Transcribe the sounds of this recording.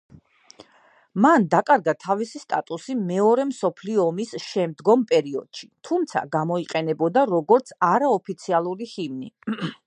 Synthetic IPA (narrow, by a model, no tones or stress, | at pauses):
mand̪akʼaɾɡat̪ʰavisist̪ʼat̪ʼusimɛɔɾɛmsɔpʰliɔːmisʃɛmd̪ɡɔmpʼɛɾiɔ̰d̪̥ʃi̥t̪ʰumt̪sʰa̰ɡamɔiqʼɛnɛbɔd̪aɾɔɡɔɾt̪sʰaɾaɔpʰit̪sʰialˠuɾihimnḭ